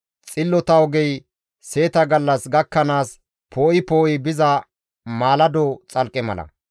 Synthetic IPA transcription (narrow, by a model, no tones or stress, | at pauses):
t͡sʼɪlːɔt̪ɐwɡɛj | se̞ːt̪ɐɡɐlːɐsɡɐkːɐnaːs | pʰo̞ːʔɪpoːʔjɪbɪzɐ | maːlɐd̪ɔt͡sʼɐlkʼɛmɐ̰lɐ̰